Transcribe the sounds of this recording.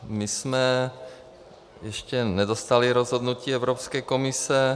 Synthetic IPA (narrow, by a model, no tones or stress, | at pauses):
mismɛ | jɛʃcɛnɛd̪ost̪aliɾozɦod̪nuciːɛʊɾopskɛːkomisɛ